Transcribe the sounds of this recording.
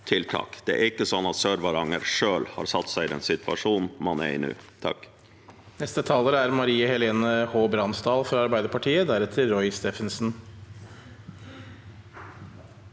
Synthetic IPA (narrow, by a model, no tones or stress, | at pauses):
t̪ʰɪlt̪ʰɑ̰ːkd̪̥ɛæ̰ɾɪkːəsɔnːɑt̪søːɾʋɑɾɑŋəɾʂøːlhɑ̰ɾsɑt̪ːsæɪɪd̪ɛ̰nsɪt̪ɑ̰ʂuːnmɑnɛ̰ɪ̰nʉ̰ːt̪ʰɑ̰k | nɛst̪ət̪ʰɑːləɾəæɾmɑɾiːəhɛleːnəhoːbɾɑnsd̪ɑːlfɾɑɑɾbæɪd̪əɾpʰɑʈʰiːəd̪æɾɛt̪ʰɪɾɔʏst̪eːfənsn̩